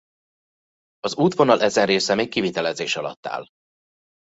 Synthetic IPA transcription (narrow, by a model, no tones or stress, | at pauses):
ɒzuːt̪vo̞nɒlʔɛzɛnreːsɛmeːkːivit̪ɛlɛzeːʃɒlɒ̰t̪ːa̰ːl